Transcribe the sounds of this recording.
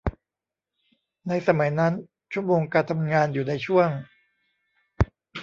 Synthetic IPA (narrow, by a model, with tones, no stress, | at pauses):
na˧jsa˧ma˩˦jna˦˥n | t͡ɕʰu˥˩əmoː˧ŋka˧t̪ʰa˧mŋaː˧njuː˨˩na˧jt͡ɕʰu˥˩əŋ